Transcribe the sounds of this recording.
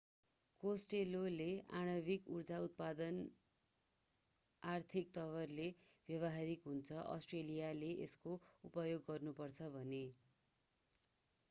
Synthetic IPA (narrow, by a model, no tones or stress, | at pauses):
kosʈeloleaɽ̃ʌbikurd͡zaut̪̚pad̪ʌn | art̪ʰikt̪ʌβʌrlebjʌβʌɦaɾikɦunt͡sʰʌʔʌ̰sʈrelijaleʔḛskoupʌjoɡːʌrnupʌrt͡sʰʌbʱʌne